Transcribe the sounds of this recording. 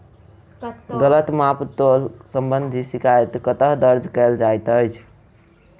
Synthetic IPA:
ɡələt̪mapt̪olsəmbənd̪ʱisikʰajt̪kət̪əɦd̪əɾd͡ʒkɛld͡ʒajt̪əjt͡ʃʰ

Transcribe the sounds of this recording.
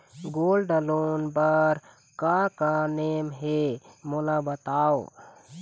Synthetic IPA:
ɡolɖəlonbəɾ | kakanemɦemolabət̪ao

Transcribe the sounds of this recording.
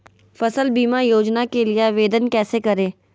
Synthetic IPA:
fɐsəlbiːmajoːd͡ʒnakeliaʋeːd̪ənkɛːsekɐɾẽː

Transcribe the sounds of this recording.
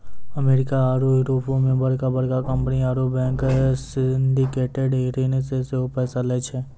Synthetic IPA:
əmeːɾɪkaaːɾoɪɾoːpʰõmẽbɐɽkabɐɽkakə̃mpəniaːɾobɛ̃ːŋksɪnɖikeːʈeɖɦeɾeneseseopɛːsalɛːt͡ʃʰɛː

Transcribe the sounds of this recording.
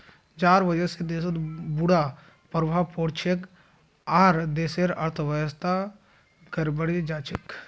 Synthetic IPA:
d͡ʒaːɾʋəd͡ʒəsed̪eːsət̪buɽa | pəɾbʱapoːɽt͡ʃʰek | aːɾd̪eːseɾɐɾt̪ʰʋəjəst̪ʰa | ɡəɾbəɽid͡ʒaːt͡ʃɪk

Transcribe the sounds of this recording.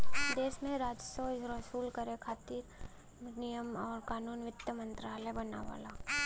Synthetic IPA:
d̪eːʃmẽɾaːd͡ʒsoɾəsuːlkəɾekʰaːt̪iɾ | nijəmɔːɾkaːnuːnʋɪt̪jəmə̃nt̪ɾaːlebɐna̰ːʋa̰ːlaː

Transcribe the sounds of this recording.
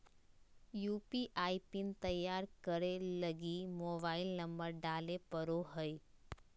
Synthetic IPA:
juːpiʔaːipint̪əjːaːɾkəɾeləɡimoːbaːɪlnə̃mbəɾɖaːlepəɾoɦəj

